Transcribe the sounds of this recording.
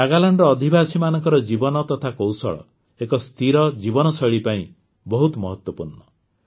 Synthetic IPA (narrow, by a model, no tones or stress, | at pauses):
aɡalaɳɖɔːd̪ʱibasimanɔŋkɔɾɔd͡ʒibɔnɔt̪ɔt̪ʰakowsɔ̰ɭɔ̰ | ekɔst̪ʰiɾɔd͡ʒibɔnɔsɔɭipaĩ | bɔɦut̪mɔɦɔt̪wɔpuɾɳɔ